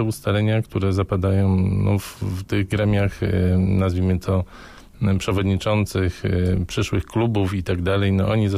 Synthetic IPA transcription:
ɛust̪alɛɲakt̪uɾɛzapad̪ajɔ̃w̃nɔ̰ft̪ɘɣɡɾɛmʲjaxnazvʲimɘt̪ʰɔ | pʂɛvɔd̪ɲit͡ʂɔnt̪sɘxpʂɘʂwɘxklubufit̪aɡd̪alɛjnɔʔɔɲiza

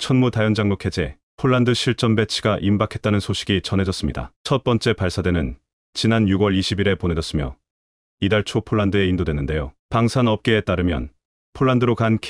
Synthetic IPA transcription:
t͡ɕʰʌnmutajʌnd͡ʑaŋmukʰe̞d͡ʑe̞ | pʰoɭːandɯɕʰiɭt͡ɕ͈ʌmbe̞t͡ɕʰiɡaʔimbakʰe̞t̚t͈anɯnsʰoɕʰi̥ɡit͡ɕʌnɦe̞d͡ʑʌs͈ɯmɲida̰t͡ɕʰʌt̚p͈ʌnt͡ɕ͈e̞paɭs͈adwe̞nɯn | t͡ɕinanjuɡwʌɭiɕʰibiɾe̞ponɦe̞d͡ʑʌs͈ɯmjʌ | idaɭt͡ɕʰopʰoɭːandɯe̞indodwe̞nːɯnde̞jopaŋsʰanʌp̚k͈e̞ːt͈aɾɯmjʌ̰n | pʰoɭːandɯɾokankʰ

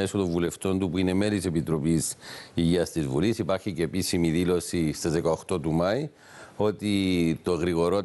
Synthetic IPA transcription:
esot̪oɱvule̞ft̪o̞nt̪upuine̞me̞lise̞pit̪ɾo̞pisiʝiɐst̪izvulisipɐɾçice̞ːpisimiðilo̞sist̪ɐzðekɐoxt̪o̞t̪umɐi | o̞t̪it̪o̞ɣɾiɣo̞ɾot̪

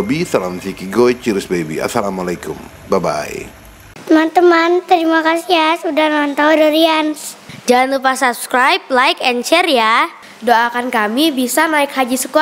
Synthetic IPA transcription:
bisalamfikiɡoit͡ʃiɾɪsbebḭa̰salamalajkʊm | baba̰j̰ | t̪əmant̪əmant̪əɾimakasiasudanmant̪adoɾiansd͡ʒalanlupasap̚skɾajp̚lajkɛnt͡ʃɛrja | doakankamibisanaɪkhad͡ʒisəku

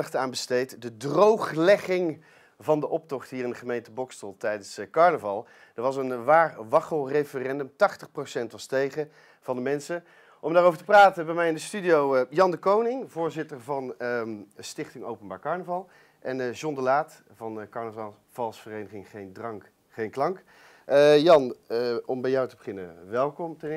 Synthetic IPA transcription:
χtaːnbəstejtdədrowχlɛχɪŋ | vɑndəʔɔp̚tɔχtɦiːɾɪndəχəmejntəbɔkstəlˠtɛjdənskɑɹnəvɑlˠ | d̥əɹʋɑsənʋaːrʋɑχəlˠrejfərɛndəmtɑχtəχprosɛntʋɑstejχə | v̥ɑndəmɛnsə | ʔɔmdaːrowvəɹtəpraːtəbɛmɛjɪndəstydiowjɑndəkownɪŋvʊːɹzɪtəɹvɑn | stɪχtɪŋo̰wpənbaːɹkɑɹnəvɑlˠ | ʔɛnʒɔndəlaːt | vɑnkɑɹnəvɑlˠ | v̥ɑlˠsfərejnəχɪŋχejndrɑŋk | χejnklɑŋk | jɑnɔmbɛjɔwtəbəχɪnə̰ʋɛlˠkɔmtɛn

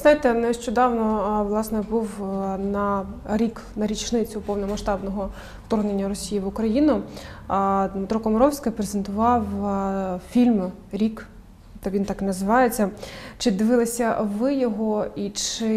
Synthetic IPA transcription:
znɑjɪt̪ɛnɛʃt͡ʃɔd̪ɑwnɔʋlˠɑsnɛbuwnɐɾʲik | nɐɾʲit͡ʃnɪt͡sʲʊpɔwnɔmɐʃt̪ɑbnɔɦɔ | ft̪ɔrɦnenʲːɐɾɔsʲijiʋʊkɾɐjinʊ | d̪met̪ɾɔkɔmɔɾɔwsʲkɪpɾezent̪ʊʋɑw | fʲilʲm | ɾʲik | t̪ɛʋint̪ɑknɐzɪʋɑjet͡sʲːɐt͡ʃɪd̪ɪʋɪlˠɐsʲɐʋɪjɔɦɔit͡ʃɪ

